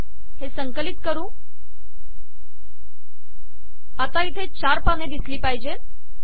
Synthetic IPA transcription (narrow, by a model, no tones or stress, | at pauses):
hesəŋkəlit̪kəɾũː | at̪ait̪ʰet͡ɕaɾpəned̪isliːpajid͡ʑe